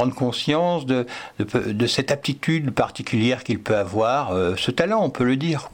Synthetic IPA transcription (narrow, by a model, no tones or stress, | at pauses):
ɑ̃d̪ʁəkɔ̃sjɑ̃sd̪əd̪əpd̪əsɛt̪ap̚t̪it̪yd̪paʁt̪ikʲyljɛʁkʲilpøavwaʁøsət̪alɑ̃ɔ̃pøləd̪iːʁ